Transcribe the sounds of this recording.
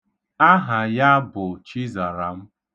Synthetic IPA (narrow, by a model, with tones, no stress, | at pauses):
a˦ɦa˨ja˦bʊ˨t͡ʃi˦za˨ɾa˨m̩˦